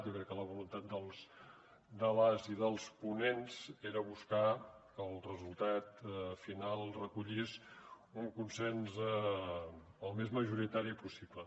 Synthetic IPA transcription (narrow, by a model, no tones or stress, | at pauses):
t̪jokɾɛkːələβ̞ulunt̪at̪̚d̪əlˠs | d̪əβaziðəlˠspunenz̥eɾəβuskakəlˠrəzulˠt̪at̪finalˠrəkuʎis | uŋkunsɛnz | əlˠmezməʒuɾit̪aɾipusiblə